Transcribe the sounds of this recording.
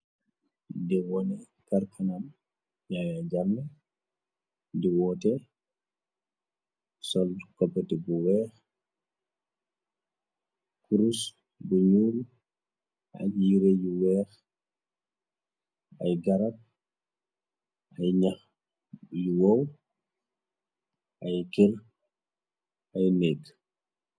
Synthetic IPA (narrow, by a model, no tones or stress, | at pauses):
dɛwɔnɛ | kaɾkʰanam | jajad͡ʒamːɛ | dɛwɔtɛ | sɔldkɔpːɛtɛbɔwɛx | kuɾus | bɔɲuːlu | ʔa̰jjiɾejiwɛːx | ajɡaɾap̚ | ʔajɲax | jiwaw | ʔajkɛl | ʔajnɛɡ